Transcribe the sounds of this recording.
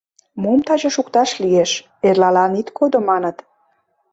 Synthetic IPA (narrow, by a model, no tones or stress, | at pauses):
mumt̪ɑʑɤ̆ʃukt̪ɑʃlieʃ | erlɑlɑnit̪kʰod̪omɑnə̆t̪